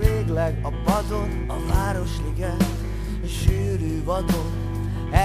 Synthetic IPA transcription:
eːɡlɛɡɒpɒzon | ɒvaːɾo̞ʃliɡɛ | ʃyːɾyvɒd̪on | ɛ

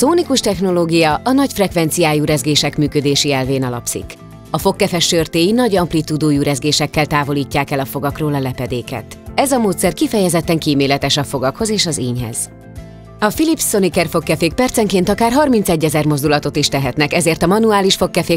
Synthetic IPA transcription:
soːnikuʃt̪ɛxno̞loːɡijɒʔɒnɒcfrɛkʋɛn̪t̪sijaːjuːɾɛzɡeːʃɛkmyːkød̪eːʃiɛlveːnɒlɒ̰psḭk | ɒfo̞kːɛfɛʃørt̪eːjinɒɟɒmplit̪ud̪oːjuːɾɛzɡeːʃɛkːɛlt̪aːvo̞liːcːaːkɛlɒfo̞ɡɒkroːlɒlɛpɛd̪eːkɛ̰t̪ɛzɒmoːt̪sɛrkifɛjɛzɛt̪ːɛŋkiːmeːlɛt̪ɛʃɒfo̞ɡɒkho̞zeːʃɒziːɲɦɛ̰z̥ | ɒfilipsːo̞nikɛrfo̞kːɛfeːk̚pɛrt̪sɛŋkeːnt̪ɒkaːrɦɒrmint̪sɛɟːɛzɛrmo̞zd̪ulɒt̪o̞t̪iʃt̪ɛɦɛt̪nɛkɛzeːrt̪ɒmɒnuaːliʃfo̞kːɛfeː

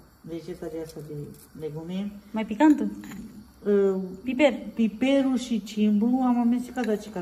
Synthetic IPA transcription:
ɾet͡ʃet̪aɾiasad̪i | leɡumẽmãpikant̪u | pipeɾpipeɾuʃit͡ʃʰimbuamãmẽsikad̪at͡ʃi̥ka

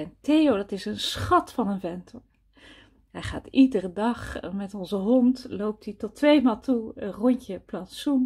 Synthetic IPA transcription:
ɛntejowdɑtɪsənsχɑtfɑnənvɛntʰɔɹ | ɦɛjχa̰ːtidərədɑχmɛtɔnzəɦɔntlowp̚titɔtːʋejmaːlˠtuərɔɲcəplasum

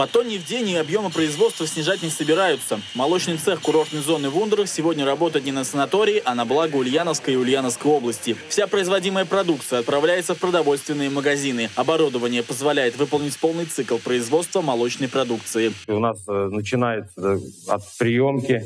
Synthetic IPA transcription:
pɐt̪onʲɪvdʲenʲɪɐbjo̞mɨpɾəɪzvo̞t̪st̪vəsʲnʲɪʐatʲnʲɪsəbʲɪɾajʊt̪səmɐlˠo̞t͡ɕnɨjt̪sɛxkʊɾo̞rt̪nɨjzo̞nːɨvund̪ɾəxsʲɪvo̞dʲnʲərɐbo̞t̪əjɪt̪nʲɪnəsənɐt̪o̞ɾʲɪɪʔɐnɐblˠaɡəʊlʲjanəfskəjɪʊlʲjanəfskəjo̞blˠəsʲtʲɪfsʲapɾəɪzvɐdʲiməjəpɾɐd̪uk̚t̪sɨjəɐt̪̚pɾɐvlʲæjɪt̪səfpɾəd̪ɐvo̞lʲst̪vʲɪnːɨjəməɡɐzʲinɨɐbɐɾud̪əvənʲɪjəpəzvɐlʲæjɪt̪vɨpəlˠnʲɪtʲpolˠnɨjt̪sɨklˠpɾəɪzvo̞t̪st̪vəmɐlˠo̞t͡ɕnəjpɾɐd̪ukt̪sɨɪʊnasnət͡ɕɪnajɪt̪səɐ̰t̪pɾʲɪjomkʲɪ

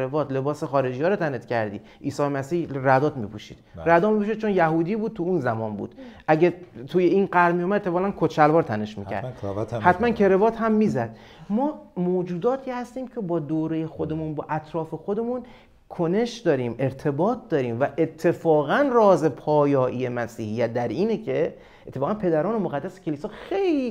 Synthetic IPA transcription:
ɾevɒːt̪le̞bɒːsexɒːɾe̞d͡ʒijɒːɾot̪ʰænet̪cʰæɾd̪ḭː | ʔiːsɒːmæsiːhræd̪ɒːt̪mipʰuʃḭːd̪ɾæd̪ɒːmipuʃ̬iːd̪̚t͡ʃʰo̞njæɦuːd̪iːbuːd̪̚t̪ʰuunzæmɒːnbṵːd̪̥ʔæɟet̪ʰuːjeinɢæɾmijoːmæd̪et̪ʰːefɒːʁænkʰot͡ʃʰælvɒːɾt̪ʰæne̞ʃmḭːcʰæ̰ɾd̪hæt̪ʰmænkʰe̞ɾevɒːt̪hæmːiːzæd̪̥̚ | mɒːmoːd͡ʒuːd̪ɒːt̪ʰiːhæst̪iːmcʰe̞bɒːd̪oːɾejexo̞d̪e̞munbɒ̰ːʔæt̪ʰɾɒːfe̞xo̞d̪e̞mun | kʰone̞ʃd̪ɒːɾiːme̞ɾt̪ʰe̞bɒːt̪̚ʰd̪ɒːɾiːmvæʔe̞t̪ʰːe̞fɒːɣænrɒːze̞pʰɒːjɒːʔijemæsiːhijːæt̪̚d̪æɾiːnecʰe̞ | et̪ʰːe̞fɒːɣænpʰe̞d̪æɾɒːnemoɣæd̪ːæse̥cʰe̞liːsɒːxe̞jli

